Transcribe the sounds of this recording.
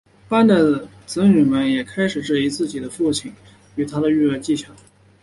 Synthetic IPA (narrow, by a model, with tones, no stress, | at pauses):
pa˥nd̪ə˨ | t͡sɹ̩˧˥ny˨˩mə˧˥njɛ˨˩kʰa˥ɪʂɻ̩˨˩ʈ͡ʂɻ̩˥˩i˧˥t͡sɹ̩˥˩t͡ɕi˨˩d̪ə˦fu˥˩t͡ɕʰi˧˩ŋ | y˨˩t̪ʰa˥d̪ə˨y˥˧ə˥˧t͡ɕi˥˩t͡ɕʰjɑ˨˧˥ŋ